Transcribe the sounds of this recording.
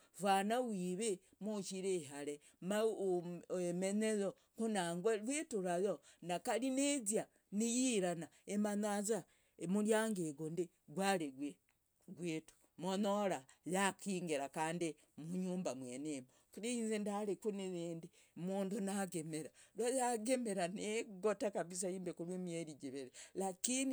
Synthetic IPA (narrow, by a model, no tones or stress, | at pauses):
vanawiːβe | mut͡ʃiɾeɦaɾe | ma | emenezo | kunaŋɡweɾweːtuɾajonakalinezja | nijiɾana | emanaza | emuɾjaŋɡeɡondi | ɡwaɾeɡwe | ɡweːtu̥ | monoɾajakiːŋɡeɾakaːndi | muɲuːmbamwenemo | kɾiinzendaɾekuneβeːndi | muːndunaɡemeɾalajaɡemeɾaneɡotakaβis̬aiːmbekuɾwemjeɾid͡ʒiβeɾelakini